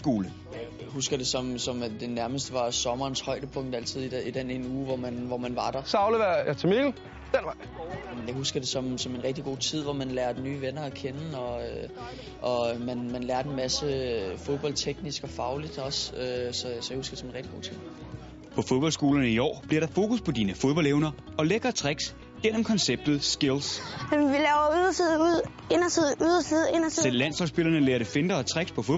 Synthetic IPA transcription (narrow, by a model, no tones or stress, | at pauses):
ɡ̥o̝ːlə | ɦusɡ̥ɐd̥e̝sɒ̽msɒ̽md̥e̝næɐməsd̥əʋɑ̈sɒ̽mɐːnshɒ̽ɪ̰d̥əpʰɔ̽ŋ̰d̥æl̰t͡sʰið̰ˠidid̥enenuːʋɒmænʋɒmænʋɑ̈ɾ̥ɑ̈sɑ̈ʊleɐjɑt͡sʰemeɡ̩ | d̥en̰ʋɑ̈ɪjɑ̈ɪhusɡ̥ɐd̥e̝sɒ̽msɒ̽me̝nʁɛɡ̥̚d̥iɡ̥o̝̰ːt͡sʰið̞̰ˠʋɒmænlæːɐd̥enyːʋenɐækʰenəɒ̽ø | ʔɒ̽mænmænlæːɐd̥e̝nmæsəfo̝ðˠb̥ɒ̽l̰t͡sʰeɡ̥nisɡ̥ɒ̽fɑ̈ʊlid̥ɒ̽søsɒ̽sɒjahusɡ̥ɐ̥sɒmenʁɛɡ̥̚d̥i̥ɡo̝̰ːt͡sʰið̰ˠ | pʰɒ̽foðb̥ɒ̽lsɡ̥o̝̰ːlɐnəiɒ̰ːb̥liɐ̰ɾɑ̈fo̝ːkʰuspʰɒ̽diːnəfo̝ð̞ˠb̥ɒ̽l̰eʊnɐ | ɒ̽leɡ̥ɐt͡sʰʁɛɡ̥s | ɡ̥en̰əm̩kʰɒ̽nseb̥̚d̥ð̩ˠsɡ̥e̝lsæmʋilɛʊuðˠɐsiðˠuð̰ˠ | enɐsiðˠuðˠɐsið̩ˠenɐsʰisel̰ːæn̰sɒlsb̥e̝lɐnəleːɐɾefe̝nd̥ɐːt͡sʰʁɛɡ̥spʰɒ̽foð